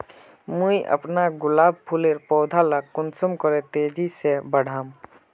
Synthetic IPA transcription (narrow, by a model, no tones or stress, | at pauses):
muiʔə̰pnaɡʊlaːb̚pʰuleɾpɔːd̪ʱalakʊnsəmkɔɾet̪ed͡ʒisebəɽ̤ʱaːm